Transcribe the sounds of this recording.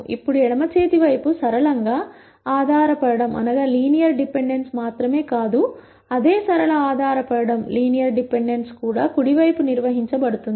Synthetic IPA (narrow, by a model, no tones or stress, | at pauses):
ḭpːuɽuɛɽɐmɐt͡ʃeːt̪iʋɐjpusɐɾɐɭɐŋɡaː | aːd̪ʱaːɾɐpɐɽɐɽɐmʔɐ̰nɐɡɐːliːnijɐɾɖipe̞ɳɖe̞nsmaːt̪ɾɐme̞ːkaːd̪u | ɐd̪eːsɐɾɐlɐaːd̪ʱaːɾɐpɐɽɐɽɐmliːnijɐɾɖipe̞ɳɖe̞nskuːɽaːkuɽiʋɐjpuniɾʋɐɦiɲt͡ʃɐbɐɽut̪und̪i